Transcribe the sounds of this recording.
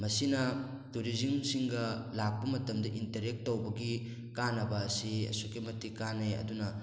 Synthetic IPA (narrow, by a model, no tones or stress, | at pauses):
mɐsinɐ | tuɾizimsiŋɡɐlak̚pɐmɐtɐmdɐʔintɐɾek̚tːowbɐɡi | kanɐbɐːsiɐ̰sukimɐtʰikaneɐ̰dunɐ